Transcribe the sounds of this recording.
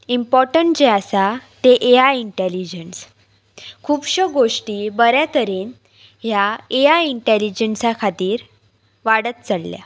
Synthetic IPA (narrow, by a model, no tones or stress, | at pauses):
impɔɾʈəɳʈd͡ʑeasat̪eʔeajiɳʈelid͡ʑəns | kʰuːbɕəɡoʂʈiːbəɾjat̪əɾiːn | ɦjaeaiɳʈelid͡ʑənsakʰat̪iːɾ | ʋaɽət̪̚t͡səɽlja̰